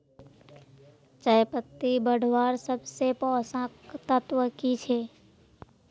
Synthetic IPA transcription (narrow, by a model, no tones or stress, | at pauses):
t͡ʃəjpət̪ːibəɽ̤ʋaːɾsəbsepɔːsãkt̪ət̪wəkit͡ʃʰeː